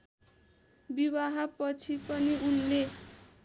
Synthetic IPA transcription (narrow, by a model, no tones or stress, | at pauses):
bibaɦapʌt͡sʰipʌniunle